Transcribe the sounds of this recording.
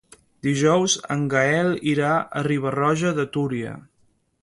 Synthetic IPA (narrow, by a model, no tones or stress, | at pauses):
d̪iʒɔwzə̰ŋɡaɛlˠiɾaə̰riβ̞ərɔʒəðət̪uɾiə̰